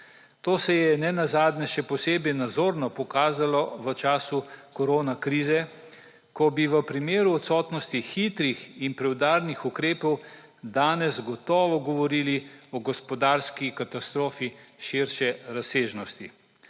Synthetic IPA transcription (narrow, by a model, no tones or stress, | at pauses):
t̪oːsɛjɛnɛnazaːd̪nɛʃɛpɔseːbɛjnad̪zoːɾnɔpɔkaːzalɔʋət͡ʃaːsukɔɾoːnakɾiːzɛ | kɔbiʋəpɾimeːɾuɔt̪sɔːt̪nɔst̪ixit̪ɾixinpɾɛwd̪aːɾnixukɾeːpɔw | d̪aːnɛzɡɔt̪ɔːʋɔɡɔʋɔɾiːliɔɡɔspɔd̪aːɾskikat̪ast̪ɾoːfiʃiɾʃɛɾaseːʒnɔst̪i